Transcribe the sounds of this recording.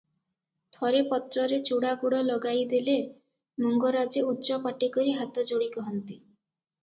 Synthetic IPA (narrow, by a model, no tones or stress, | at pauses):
t̪ʰɔɾepɔt̪ɾɔɾet͡ʃuɽaɡuɽɔlɔɡajd̪ele | muŋɡɔɾad͡ʒeutːt͡ʃɔpaʈikɔɾiɦat̪ɔd͡ʒoɽikɔɦɔnt̪i